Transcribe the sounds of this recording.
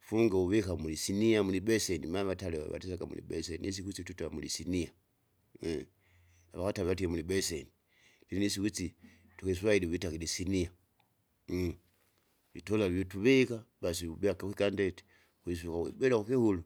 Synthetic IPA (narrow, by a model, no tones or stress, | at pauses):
fuŋɡauβekamulisiniamulibesenimaβataleβa̰βa̰tisaɡamṵlḭbeseniis̬ikit͡situtalamulisinija | aβakataβeβat̬iemulibeseni | linis̬ikut͡si | tukeswailiβitakilisinia | βḭtolaβjotuβekabas̬iubakakikandeti̥ | kwis̬ukawḭbelakukihulu